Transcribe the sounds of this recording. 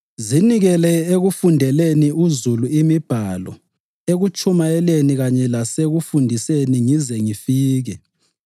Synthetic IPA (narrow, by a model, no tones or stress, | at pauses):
ziniɣɛlɛeɣufundʱɛleniuzuluimib̥ʱalɔ̰ | eɣut͡ʃʰʼumaɛleniɣaɲɛlaseɣufundʱiseniŋizɛŋifiːɣɛ